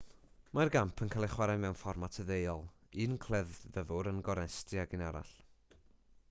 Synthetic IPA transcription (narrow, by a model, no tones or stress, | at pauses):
marɡampʰənkʰalˠɪχwaɾajmɛwnfɔrmatʰəðejɔlˠ | iːnkʰl̥ˠɛðːəvʊɾənɡɔɾɛstɨaɡɪnaɾa̰ɬ